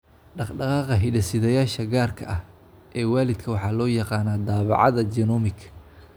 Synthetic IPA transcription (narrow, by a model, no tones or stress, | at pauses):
ɖɑqɖɑqɑːqɐɦɪɖɐsɪðɐjaːʃɐɡaːrkʰɐʔɐh | ʔɛːwaːlɪd̪kʰɐwɑħɑːlɔːjɑqɑːnaːd̪ɑːβɑ̰ʕɑ̰ðɐd͡ʒɛnɔmɪkʰ